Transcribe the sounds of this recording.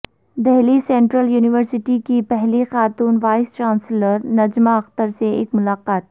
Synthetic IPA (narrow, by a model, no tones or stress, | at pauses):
d̪ɛɦlisɛ̃ɳʈɾəljuːnɪʋəɾsɪʈikipɛɦlixaːt̪uːnʋaːɪst͡ʃãːnsləɾnɐd͡ʒmaɐxt̪əɾseḛːkmʊlaːqaːt̪̚